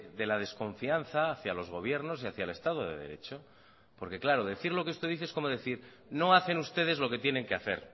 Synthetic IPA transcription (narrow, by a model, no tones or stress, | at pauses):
ðe̞lað̞e̞sko̞ɱfian̟θaːθjalo̞zɣ̞o̞β̞je̞ɾno̞siaθjaele̞st̪að̞oðe̞̰ðe̞̰ɾe̞̰t͡ʃo | po̞ɾke̞klaɾo̞ðe̞θiɾlo̞keest̪oðiθeesko̞moðe̞θiɾ | no̞aθe̞nust̪e̞ð̞e̞zlo̞ke̞t̪je̞nẽ̞ŋke̞aθe̞̰ɾ